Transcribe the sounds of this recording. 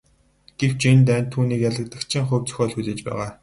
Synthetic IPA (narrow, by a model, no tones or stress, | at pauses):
ɡ̥ew̥t͡ɕʰent̪ænt̪ʰːuːniːkjaɮə̆k̚t̪ə̆kt͡ɕʰĭŋχɵwt͡sɵ̥xʲœːɮxut͡seːt͡ɕpæ̰ːʁaː